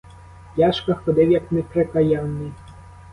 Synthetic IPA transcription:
jaʃkɐxɔd̪ɪwjɐknɛpɾɛkɐjanːɪ

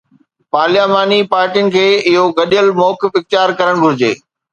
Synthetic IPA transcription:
paːljaːmaːnipaːɾʈijʊnɪ̆kʰeːɪɦoɡɐɗijəlmɔːkɪfɪkt̪ɪjaːɾkɐɾəɽ̃ɡʱʊɾɪd͡ʑḛː

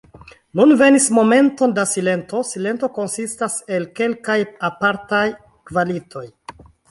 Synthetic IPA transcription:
nunve̞nismo̞me̞nto̞ndasile̞nto̞sile̞nto̞ko̞nsistase̞lke̞lkajapaɾtaj | kvalitʰo̞j

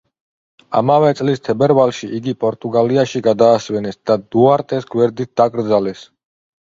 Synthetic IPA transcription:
a̰mavɛt̪sʼlist̪ʰɛbɛɾvalˠʃiʔiɡipʼɔɾt̪ʼuɡaliaʃiɡad̪aːsvɛnɛsd̪̥ad̪uaɾt̪ʼɛsɡwɛɾd̪it̪̚d̪̥akʼɾd̪zalɛs

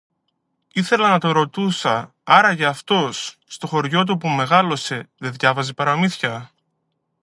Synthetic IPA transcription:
iθe̞lɐnɐt̪o̞ɾo̞t̪usɐ | ɐɾɐʝɐːft̪o̞sːt̪o̞xo̞ɾʝo̞t̪̬upume̞ɣɐlo̞se̞ðeðʝɐvɐzipɐɾɐmiθçɐ

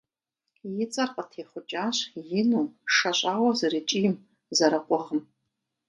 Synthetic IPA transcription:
jɪt͡sʼarqʼatʰeχʷʊt͡ʃʼaʃʷjɪnuʂaɕʷʼawazarit͡ʃʼim | zaɾakʷʼaʁəm

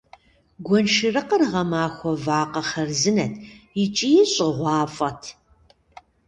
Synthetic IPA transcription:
ɡʷɔnʃɨrɨqərʁɐmaːxʷɔvaːqɐχɐrzɨnɐtʰjɪt͡ʃʼijɪɕʼɪʁʷɑːfʼɐtʰ

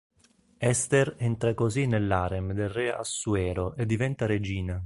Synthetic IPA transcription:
ɛst̪erɛnt̪ɾakozinːelːaɾemd̪elrɛa̰sːuɛːɾoʔed̪ːivɛnt̪aɾed͡ʒiːna

